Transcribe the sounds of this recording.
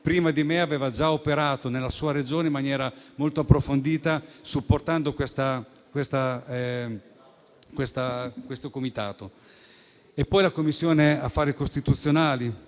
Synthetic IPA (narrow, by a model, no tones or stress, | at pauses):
pɾiːmad̪imeaveːvad͡ʒaopeɾaːt̪onelːasuːaɾed͡ʒoːneimːanjɛːɾamolt̪oapːɾofond̪iːt̪asupːort̪and̪okwest̪a | kwest̪a | kwest̪akwest̪okomit̪aːt̪o | epːɔjlakomːisːjoːneafːaːɾikost̪it̪ut̪sːjonaːli